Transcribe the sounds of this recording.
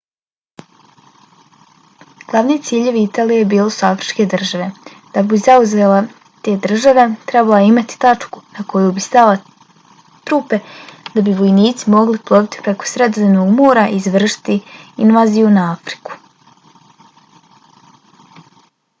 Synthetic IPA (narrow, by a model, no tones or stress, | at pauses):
ɡ̥lˠaʋniet̪siːʎe̞ʋiit̪aːlijebiːlo̞soafɾit͡ʃke̞d̪r̩ʒaʋe̞ | d̪̥abizauze̞ːla | t̪e̞ːd̪r̩ʒaʋe̞t̪ɾebalaimat̪i̥t̪at͡ʂku̥nako̞jubist̪ala | t̪ɾupe̞d̪abiʋo̞jniːt̪simo̞ɡliplˠo̞bit̪i̥pɾe̞ko̥sɾed̪zenoɡmoːɾaʔiːzʋr̩ʃi̥t̪iinʋaːzijunaafɾi̥ku̥